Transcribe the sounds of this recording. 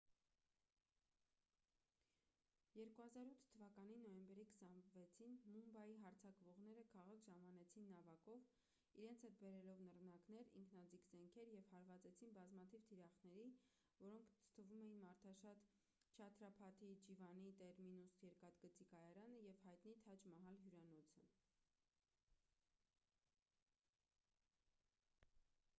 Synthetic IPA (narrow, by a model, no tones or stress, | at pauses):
jɛɾkuhɑzɑɾut̪ʰt̪ʰːəvɑkɑninɔjɛmbɛɾikʰə̥sɑnvɛt͡sʰinmumbɑjiɦɑɾt͡sʰɑkvɔʁnɛɾəkʰɑʁɑkʒɑmɑnɛt͡sʰinːɑvɑkɔv | iɾɛnt͡sʰhɛt̪̚bɛɾɛlɔvnərnɑknɛɾḭŋkʰnɑd͡zikzɛŋkʰɛɾjɛvhɑɾvɑt͡sɛt͡sʰinbɑzmɑt̪ʰivt̪ʰiɾɑχnɛɾi | vɔɾɔŋkʰt̪ʰəvumɛjinmɑɾt̪ʰɑʃɑt̪ | t͡ʃʰɑt̪ʰɾɑpʰɑt̪ʰid͡ʒivɑnit̪ɛɾminusjɛɾkɑt̪ɡət͡sikɑjɑɾɑnəjɛvhɑjt̪nit̪ʰɑt͡ʃmɑɦɑlɦjuɾɑnɔt͡sʰə